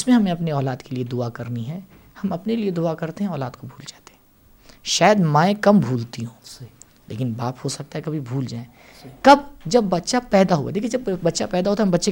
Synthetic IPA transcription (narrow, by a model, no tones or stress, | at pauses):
ɪsmẽɦɐmẽɐpneɔːlaːd̪kelied̪ʊakɐɾniɦɛː | hɐmɐpnelied̪ʊakɐɾt̪eɦɛ̃ɔːlaːd̪kobʱuːld͡ʒaːt̪e̥ɦɛ̃ː | ʃaːjəd̪mãːẽkɐmbʱuːlt̪iɦõː | lḛːkɪnbaːphosɐk̚t̪aɦɛkɐbʱibʱuːld͡ʒaːẽ | kɐb̚d͡ʒɐbːɐtːʃapɛːd̪aɦua̰d̪ekied͡ʒɐbbɐtːʃapɛːd̪aɦoːt̪aɦɐmbɐtːʃe